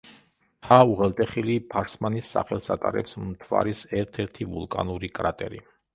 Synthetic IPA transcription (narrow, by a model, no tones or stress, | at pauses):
t̪ʰauʁɛlt̪ʼɛχilipʰaɾsmanisːa̰χɛlˠsat̪ʼa̰ɾɛ̰psmt̪ʰva̰ɾisɛɾt̪ʰɛɾt̪ʰivulˠkʼanuɾikʼɾat̪ʼɛ̰ɾi